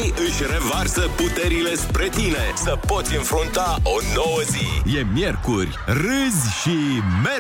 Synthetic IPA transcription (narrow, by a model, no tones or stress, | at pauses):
ɨʃʲre̞varsəput̪e̞ɾile̞spɾe̞t̪inesəpo̞t̪sʲɨnfɾunt̪aʔo̞no̞wəzije̞mje̞rkurʲrɨzʲʃime